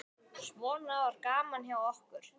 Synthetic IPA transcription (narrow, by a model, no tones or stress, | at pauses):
svɔːnavaɾkaːmançjawɔhkʏɾ̥